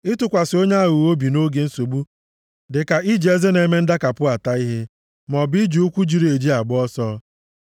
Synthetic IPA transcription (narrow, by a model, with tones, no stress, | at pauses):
ɪ˦tʊ˨kʷa˨sɪ˨o˦ɲe˦a˦ɣu˨o˦bi˨no˦ɡe˨n̩˦so˨ɡ͡bu˦ | dɪ˨ka˨ʔi˦d͡ʒe˦ze˦ne˨me˦n̩˦da˦ka˨pʊ˦a˨ta˦i˦ɦe˦ | mɔ˨bi˦d͡ʒu˨u˦kʷu˦d͡ʒi˨ɾi˨e˨d͡ʒi˦a˨ɡ͡bɔ˦sɔ˦